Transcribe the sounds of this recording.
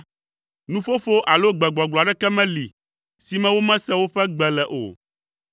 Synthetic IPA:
nũ˦ɸo˦fo˦ʔa˨lo˦ɡ͡bɛ˨ɡ͡bɔ˨ɡ͡bla˨ɖɛ˦kɛ˦mɛ̃˦li˨ | si˨mɛ̃˦wo˦mɛ̃˦sɛ˦wo˦ɸɛ˦ɡ͡bɛ˨lɛ˨ʔo̰˨

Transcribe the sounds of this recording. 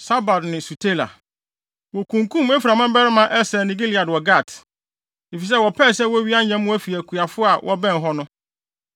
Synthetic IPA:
sa˦ba˨dnɪ̃˨su˨tʰe˦˨la̰˨ | wɔ˨kʰũ˨ŋkʰũ˦mɛ˦fiɾa˨mã˦m˦bɛ˦ɾɪ˦mã˨ʔɛ˦sɛ˨nĩ˨ɡi˦li˨a˨dwɔ˨ɡa˦˨t | i˨fi˨s̬ɛ˦wɔ˨pʰɛː˦˨sɛ˦wɔ˦ɥi˦a˦ɲɛ̃˦m˦ʊ̃˦æ˦fi˨æ˨kʰu˨a˨fʊ˦a˨wʔɔ˦bɛ̃˦˨n˨ɦɔ˦nʊ̃˦

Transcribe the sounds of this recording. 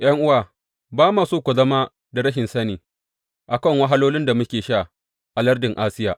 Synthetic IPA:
j̰ɐ˦ŋʔʊ˦waː˨ | baː˦maː˨suː˦kʷu˨zɐ˦ma˦ | da˨ɾɐ˦ʃ̬ɪ˨nsɐ˦niː˨ | ʔa˨kɐ˦˨ŋwɐ˦ɦa˦loː˦lɪ˦nda˨mʊ˦kʲeː˨ʃaː˦˨ | ʔa˨lɐ˦rdɪ˨ŋʔaː˦sɪ˦jaː˨

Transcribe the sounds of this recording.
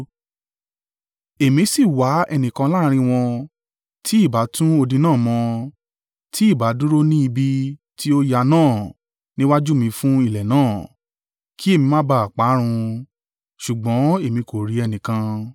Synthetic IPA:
e˨mĩ˧˦si˦˨wa˨˦ɛ˧nĩ˨kã˧la˦˧ɾ̃ĩ˧w̃ɔ̃˧ | tʰi˦i˦˨ba˨˦tũ˦o˧dĩ˧nãː˦˨mɔ̃˧ | tʰi˦i˦˨ba˨˦du˦ɾo˦nĩ˦i˧bi˧ | tʰi˦o˦ja˧nãː˦˨ | nĩ˦wa˦d͡ʒu˦mĩ˧fũ˦i˦˨lɛ˨nãː˦˨ | kʰi˦e˦˨mĩ˧mã˦ba˧˦a˨k͡pa˨˦ɾ̃ũ˧ | ʃu˨ɡ͡bɔ̃˨˦e˦˨mĩ˧ko˨ɾi˨˦ɛ˧nĩ˨kã˧

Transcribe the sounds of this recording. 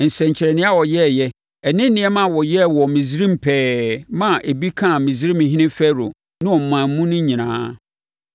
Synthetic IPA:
n̩˨sɛ̃˨ɲ˨t͡ɕʰɪ˨ɾɛ˨nɪ̃˦a˦wɔ˨jɛ˦˨jɛ˦ | ɛ˨nɪ̃˦n˦nɪ̃˨˦ɛ˦mã˨wɔ˨jɛ˦wɔ˨mĩ˨zi˦ɾĩ˦m̩˨pʰɛː˦mã˦ʔe˨bi˦kʰã˦˨mĩ˨zi˦ɾi˦mɪ̃˨ɦɪ̃˦nɪ̃˦fɛ˦ɾo̰˨ | nɪ̃˦ɔ˨m̩˨mã˨m̩˦mũ˦nʊ̃˦ɲĩ˨nã̰ː˦

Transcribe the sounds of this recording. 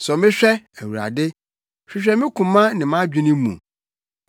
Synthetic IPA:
sɔ˨mɪ̃˦ɕᶣɛ˦æ˨wu˨ɾa̰˨dɪ˦ | ɕᶣɪ˨ɕᶣɛ˦mɪ̃˦kʰũ˨mã˦nɪ̃˨mã˦d͡ʑᶣĩ˦nɪ̃˦mṵ̃˨

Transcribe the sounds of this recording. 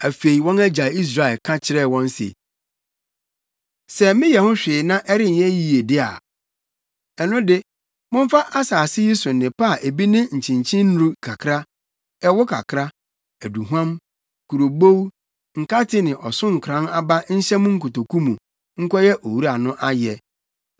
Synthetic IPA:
æ˨fe˨i˨wɔ̃˦næ˦d͡ʑa˨i˦s̬ɾa˦˨ɛ˨lkʰã˦t͡ɕʰɪ˦ɾɛ˦˨wɔ̃˦n˦sḛ˨ | sɛ˦mɪ̃˦jɛ˨hʊ̃˦ɕᶣɪː˨nã˦ʔɛ˦ɾɪ˦ɲ˨ɛ̃˦ji˦˨e˨dɪ˦a̰˨ | ɛ˨nʊ̃˦dɪ˦ | mʊ̃˦ɱ˦fa˦ʔa˦saː˨sɪ˦ji˦sʊ̃˨nɪ̃˨pʰa˦˨ʔe˨bi˦nɪ̃˦ɲ̩˨t͡ɕʰɪ̃˨ɲ˨t͡ɕʰɪ̃˦nː˦ɾu˦kʰa˨kʰɾa˦ | ɛ˦wʊ˦kʰa˨kʰɾa˦ | æ˨du˨ɦu˦ã˦m | kʰu˨ɾo˨bo˦w | ŋ̩˨ka˦tʰɪ˦nɪ̃˨ʔɔ˨sʊ̃˦ŋ̩˨kʰɾã˦na˦ba˦n̩˦ɕɛ˦mʊ̃˦ŋ̩˦kʰʊ˨to˨kʰũ˦mũ˨ | ŋ̩˦kʷʰɔ˦jɛ˦ʔo˨wu˦ɾa˨nʊ̃˦ʔa˦jɛ˨

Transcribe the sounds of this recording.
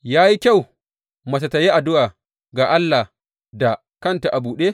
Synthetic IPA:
jaː˦ji˦kʲa˦˨w | mɐ˨s̬a˨ta˨ji˦ʔa˨dʊ˦ʔaː˨ | ɡaː˨ʔa˦lːa˨ | da˨ | kɐ˦nta˨ʔa˨buː˨ɗeː˦

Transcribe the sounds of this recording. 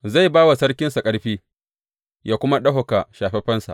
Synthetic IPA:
za˦˨jbaː˦wa˨sɐ˦ɽkʲɪ˦nsa˨kʼɐ˦ɽɸiː˦ | jʔaː˦kʷʊ˦ma˦ɗɐ˦ɦʊ˨ka˨ʃaː˨ɸɛ˦ɸɛ˦nsa̰˨ʔ

